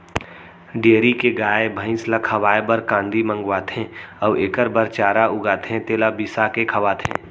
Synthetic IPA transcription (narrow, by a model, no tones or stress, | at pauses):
ɖeəɾikeɡaːebʱə̃ɪ̃slakʰəʋaːebəɾkãːnd̪ʱimə̃ŋɡʋaːt̪ʰɦɛ̃ɔʋeːkəɾbəɾt͡ʃaːɾaʊɡaːt̪ʰɦẽt̪eːlabisakekʰɐʋaːt̪ʰɦḛ̃ː